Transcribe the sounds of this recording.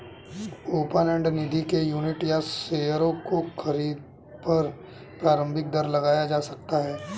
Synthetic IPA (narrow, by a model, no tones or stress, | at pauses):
oːpənɛ̃ːɳɖnɪd̪ʱikejuːnɪʈjaseːjəɾõkoxʰɐɾiːd̪̚ | pɐɾ | pɾaːɾə̃mbʱɪk̚d̪ɐɾlɐɡaːjad͡ʒaːsɐk̚t̪aɦɛː